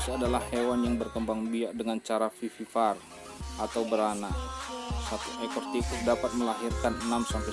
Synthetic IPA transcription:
sadalahːewanjaŋbərkəmbaŋbiaʔdəŋant͡ʃaɾafififar | at̪awbəɾana | sat̪uekɔrt̪ikudapat̪̚məlaɦirkanənamsampa

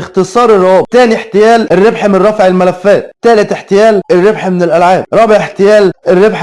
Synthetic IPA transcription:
xt̪ɪsˤɑːɾˤɪrˤːʊɑːbt̪æːniħt̪ɪjæːlɪrːɪbħmɪnˤɑfʕɪlmælæfːæːt̪̚t̪ːæːlɪt̪ħt̪ɪjæːlɪrːebħmɪnɪlʔælʕaːbɾˤɑːbɪʕħt̪ɪjæːlɪrːɪbħ

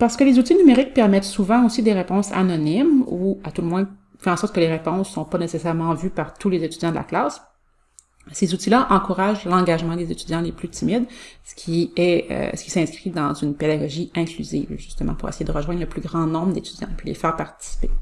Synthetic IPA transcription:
paʁsə̥kəlezut̪inymeʁɪk̚pɛʁmɛt̪suvɑ̃osid̪eʁepɔ̃sa̰nɔnimuat̪ulmwɛ̃ | fɛɑ̃sɔʁt̪̚kəleʁepɔ̃sːɔ̃panesesɛʁmɑ̃vypaʁt̪ulezet̪yd̪jɑ̃d̪əla̰klaːs | sezut̪ilaʔɑ̃kuʁaʒlɑ̃ɡaʒmɑ̃d̪ezet̪yd̪jɑ̃leplyt̪ʰimid̪sə̥kʲʰiɛø̰sə̥kʲi̥sɛ̃skχid̪ɑ̃zynped̪aɡɔʒiɛ̃klyzḭːvʒyst̪əmɑ̃puʁḛsejed̪əʁəʒwɛ̃d̪ʁləplyɡʁɑ̃nɔ̃bʁd̪et̪yd̪jɑ̰̃pilḛfɛːʁpaʁt̪i̥si̥pḛ

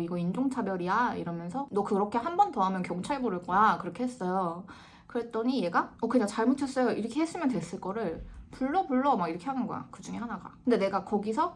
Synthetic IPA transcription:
iɡʌind͡ʑoŋt͡ɕʰabjʌɾiaiɾʌmjʌnsʰʌnʌkɯɾʌkʰe̞ɦanbʌntoamjʌnkjʌŋt͡ɕʰaɭeboɾɯɭk͈ʌjakɯɾʌkʰeɦes͈ʌjo | kɯɾe̞t͈ʌɲije̞ɡaʌkɯɲaŋt͡ɕaɭmot͡ɕʰʌs͈ʌjoʔiɾʌkʰe̞ɦes͈ɯmjʌntwe̞s͈ɯɭk͈ʌɾɯɭpuɭːʌpuɭːʌmaɡiɾʌkʰe̞ɦanɯnɡʌ̰ja̰kɯd͡ʑuŋe̞hanaɡa̰kɯnde̞ne̞ɡakʌɡisʰʌ

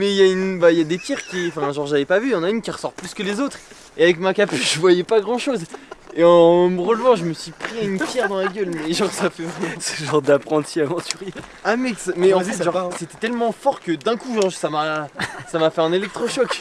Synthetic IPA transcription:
mɛiljaynbailjad̪epjɛʁkʲiɑ̃fɛ̃ʒɑ̃ʁʒavɛpavyjɑ̃naynkʲiʁəsɔʁplyskəlezot̪χ | eavɛk̬makapyʒəvwajɛpaɡʁɑ̃ʃozeɑ̃məʁəlvɑ̃ʒəməsɥipχiaynpjɛʁd̪ɑ̃laɡʲœlmɛʒɑ̃ʁsafɛvɛmɛ̃sə̥ʒɑ̃ʁd̪apχɑ̃t̪ʰiavɑ̃t̪yʁeamɛksmɛɑ̃fɛsʒɑ̃ʁset̪ɛt̪ɛlmɑ̃fɔʁkəd̪ɛ̃kuʒɑ̃ʁsamasamafɛɛ̃nelɛk̚t̪χɔʃɔk

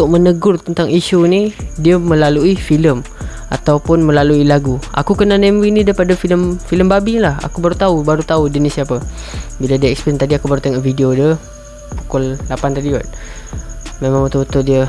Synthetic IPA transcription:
t̪ʊʔ̚mənəɡʊrt̪ənt̪aŋiʃunidiəməlaluifiləm | a̰t̪awpʊnməlaluilaɡuʔa̰kukənanemɾinidaipadafiləmfiləmbabilaha̰kubaɾut̪aubaɾut̪audənisiapəbiladiəɛkspiɾənt̪adiakubaɾut̪əŋɔʔfidiodə | pu̥kʊllapant̪adiot̪̚ | memãŋbət̪ʊbət̪ʊldiə

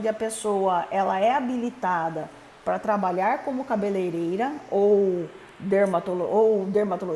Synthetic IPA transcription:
d͡ʒ̪ɪɐpesowɐʔɛlɐɛabilit̪ad̪ɐ | pɾɐt̪ɾabaʎaɾkõmʊkabelejɾejɾɐow | d̪eɾmat̪oloʔowd̪eɾmat̪olo

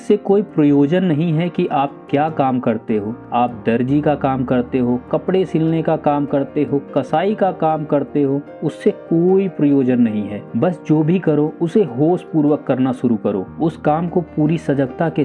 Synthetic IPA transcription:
ɪsːekoːipɾɐjoːd͡ʒənːɐɦĩɦɛkiʔaːp̚kjaːkaːmkɐɾt̪eɦoːaːp̚d̪ɐɾd͡ʒikakaːmkɐɾt̪eɦoːkɐpɽesɪlnekakaːmkɐɾt̪eɦoːkɐsaːikakaːmkɐɾt̪eɦoː | ʊsːekoːipɾɐjoːd͡ʒənːɐɦĩɦɛːbɐsd͡ʒoːbʱikɐɾoʊseɦoːspuːɾwəkːɐɾnaʃʊɾukɐɾo̰ːʊskaːmkopuːɾisɐd͡ʒəɡt̪ake

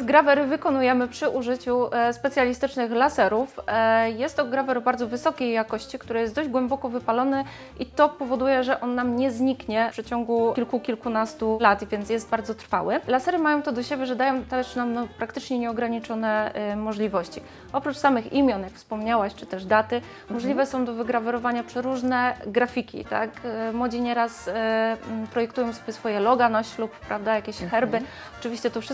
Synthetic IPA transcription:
zɡɾavɛɾɘvɘkɔnujɛmɘpʂɘʔuʐɘt͡ɕuspɛtsʲjalʲist̪ɘt͡ʂnɘxlasɛɾufjɛst̪ːɔɡɾavɛɾɔbaɾd̪zɔvɘsɔkʲejːakɔɕt͡ɕikt̪uɾɘjɛsd̪ɔʑd͡ʑɡwɛmbɔkɔvɘpalɔnɛ | ʔit̪ɔpɔvɔd̪ujɛʐɛʔɔnːamɲɛzɲikɲɛʂɘt͡ɕɔŋɡuilkukʲilkunast̪ulat̪vʲjɛnt̪jɛsd̪baɾd̪zɔt̪ɾfa̰wɘlasɛɾɘmajɔ̃w̃t̪ɔd̪ɔɕebʲjɛʐɛd̪ajɔ̃w̃t̪ɛʂnamnɔpɾakt̪ɘt͡ʂɲɛɲɛɔɡɾaɲit͡ʂɔnɛmɔʐlʲivɔɕt͡ɕi | ɔpɾut͡ʂsamɘxḭmʲjɔnjakfspɔmɲawaɕt͡ʂɘ̥t̪ɛʐd̪at̪ɘ | mɔʐlʲivɛsɔ̃w̃d̪ɔvɘɡɾavɛɾɔvaɲapʂɛɾuʐnɛɡɾafʲikʲḭt̪a̰kmwɔd͡ʑiɲɛɾas | pɾɔjɛkt̪ujɔ̃w̃sɔbʲjɛsfɔjɛlɔɡanɔɕt͡ɕlupːɾavd̪ajakʲeɛɕxɛɾbɘ | ɔ̥t͡ʂɨvʲiɕt͡ɕɛt̪ɔfʂɘ

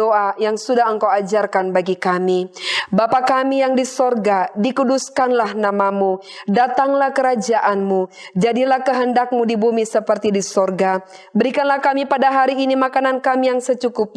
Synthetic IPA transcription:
oʔajaŋsudaɦəŋkawad͡ʒarkanbaɡikamibapakamijaŋdisɔrɡadikuduskanlahnamamudat̪aŋlahkəɾad͡ʒaʔanmu | d͡ʒadilahkəɦəndak̚mudibumisəpərt̪idisɔrɡa | bəɾikanlahkamipadaɦaɾiːnimakanankamijaŋsət͡ʃukʊp̚

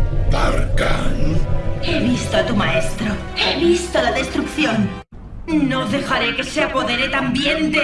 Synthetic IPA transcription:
b̪aɾkaneβist̪oat̪umaest̪ɾo | eβist̪olaðe̞st̪ɾukθjon | noðe̞xaɾekeseapo̞ðeɾet̪ambjend̪e

